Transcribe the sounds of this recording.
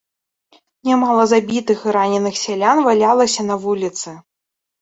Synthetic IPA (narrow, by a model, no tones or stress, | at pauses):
nʲamalˠɐzabʲit̪ɨxɨɾanʲɛnɨxsʲɛlʲanvalʲalˠɐsʲɐnɐvulʲit̪sɨ